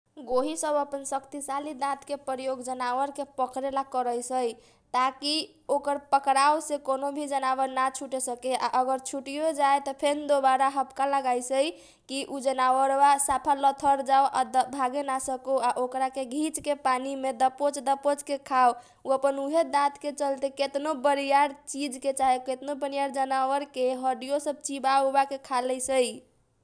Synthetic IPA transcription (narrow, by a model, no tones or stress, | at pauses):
ɡoɦisəbəpənsəkt̪isalid̪ãt̪kepəɾjoɡd͡ʒənawəɾkepəkɾelakəɾəjsəj | t̪aki | okəɾpəkɾaosekonobʱid͡ʒənawəɾnat͡ʃʰuʈesəkeʔa̰ʔəɡəɾt͡ʃʰuʈijod͡ʒaet̪ɔpʰend̪obaɾaɦəbkaləɡajsəj | kiʔud͡ʒənawəɾbasapʰalət̪ʰəɾd͡ʒaoʔad̪bʱaɡenasəkuaʔokɾakeɡʱit͡ʃkepanimed̪əpot͡ʃd̪əpot͡ʃkekʰaw | uəpənuɦed̪ãt̪ket͡ʃəlt̪eket̪nobəɾijaɾt͡ʃid͡ʒket͡ʃaɦeket̪nobəɾijaɾd͡ʒənawəɾkeɦəɖijosəb̚t͡ʃibaubakekʰaləsəj